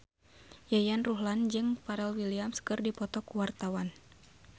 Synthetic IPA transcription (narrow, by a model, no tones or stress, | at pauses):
jajanruɦland͡ʒɨŋpaɾɛlwiliamskɨrdipɔt̪ɔkuwart̪awan